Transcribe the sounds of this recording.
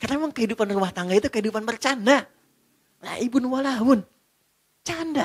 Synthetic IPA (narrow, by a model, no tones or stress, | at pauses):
karnamemaŋkəɦidupanrumaht̪aŋɡait̪ukəɦidupanpərt͡ʃana | la̰ibʊnwalaʊn | t͡ʃanda